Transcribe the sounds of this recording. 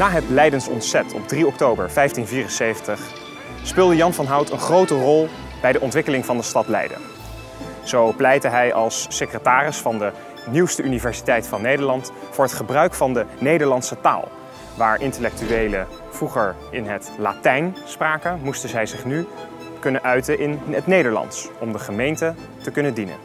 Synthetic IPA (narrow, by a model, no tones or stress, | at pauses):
naːɦətlɛjdəntɔ̰ntsɛtʰɔ̰b̚driɔk̚towbə̰ɹvɛjftinviːrənsejvəntəχ | spɪːlˠdəjɑnvɑnɦɑwtə̰nχrowtərɔlˠ | b̥ɛjdəʔɔntʋɪkəlɪŋvɑndəstɑtlɛ̰jdə̰n | z̥owplɛjtəɦɛjɑlˠsːekrətaːrɪsfɑndə | niwstəʔynivɛɹsi̥tɛjtfɑnːejdəɹlɑnt | fʊːɹɦətχəbrœɥkfɑndənejdəɹlɑnsəta̰ːlˠ | ʋaːɹʔɪntəlɛk̚tyʋejlə | v̥ruχəɹ | ɪnɦətla̰ːtɛjnspraːkəmustəzɛjzɪχny | kɵnəʔœɥtəʔɪnətnejdəɹlɑ̰nsɔmdəχəmejntə | təkɵnədinə̰n